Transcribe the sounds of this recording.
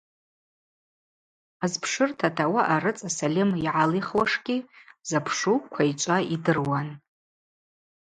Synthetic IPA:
azpʰʂɨrtʰatʰawaʔaɾɨt͡sʼasalʲɪmiʕaliχwaʂɡʲʼizapʰʂukʷʰait͡ʃʷʼaidɨrwan

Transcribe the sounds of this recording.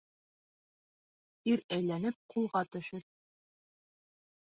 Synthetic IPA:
iɾæjlænɘp̚qʰulˠʁɑt̪ɵ̆ʃɘɾ̚

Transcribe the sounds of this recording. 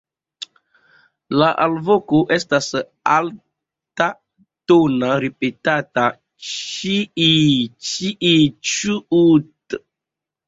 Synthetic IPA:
laʔalvokoʔe̞stas | al | ta | tonaɾipetata | t͡ʃiit͡ʃiʔit͡ʃuut

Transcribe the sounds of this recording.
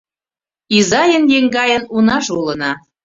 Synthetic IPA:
izɑjənjeŋɡɑjənunɑʃulənɑ

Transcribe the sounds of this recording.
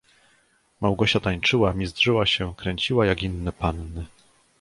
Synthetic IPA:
mawɡɔɕat̪aɲt͡ʂɘwamʲizdʐɘwaɕɛkɾɛɲt͡ɕiwajaɡinːɛpanːɘ

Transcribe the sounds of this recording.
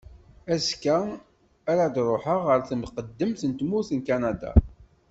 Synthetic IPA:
æskæ | æɾad̪ɾˤoħəʁəɾθəmqəd̪ːəmθənt̪muθənkænæd̪a̰

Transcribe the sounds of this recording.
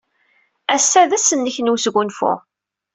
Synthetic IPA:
æsːæðæsːənːəçnusɡʷunfʊ̰

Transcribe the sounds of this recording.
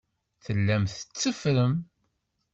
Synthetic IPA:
θəlːæmθə̥t͡sːəfɾəm

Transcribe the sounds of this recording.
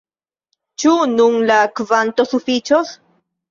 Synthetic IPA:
t͡ʃununlakvant̪osufit͡ʃos

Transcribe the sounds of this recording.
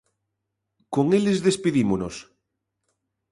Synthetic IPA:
koŋelezðespiðimonos

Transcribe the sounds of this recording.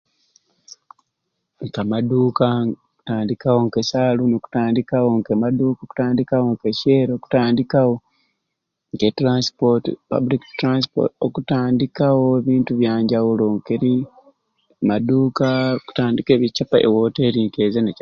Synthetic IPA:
ŋkamaduːka | u̥taːndikawoŋkesalunoku̥taːndikawo̞ŋkemaduːkaoku̥taːndikawo̞ŋkeceːɾoːku̥taːndikawo | ŋketɾaspotipa̰buliktɾanspo̰tokutaːndikawoeβiːntuβjaːɲɟawulo̞ŋkeɾi | maduːkaku̥taːndike̞ːβit͡ʃapaʔḛwoːteːɾiŋkezene

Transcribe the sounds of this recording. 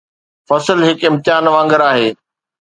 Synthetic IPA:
fɐsəlɦɪkɪmt̪ɪɦaːnʋãːŋɡəɾaːɦeː

